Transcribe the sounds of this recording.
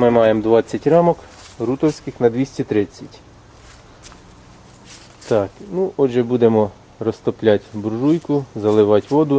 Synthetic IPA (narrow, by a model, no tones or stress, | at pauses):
mɪmɑjemd̪ʋɑt͡sʲːɐtʲɾɑmɔk | ɾut̪ɔwsʲkɪxnɐd̪ʲʋʲisʲtʲit̪ɾɪt͡sʲːɐtʲ | t̪ɑknuʔɔʒɛbud̪emɔ | rɔst̪ɔplʲatʲbuɾʒujkʊzɐlˠɪʋɑtʲʋɔd̪ʊ